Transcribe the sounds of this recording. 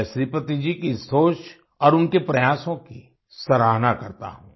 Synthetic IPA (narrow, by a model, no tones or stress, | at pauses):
ʃɾipət̪id͡ʒikisoːt͡ʃ | ɔːɾʊnkepɾɐjaːsõki | sɐɾaːɦnakɐɾt̪a̰ɦṵ̃ː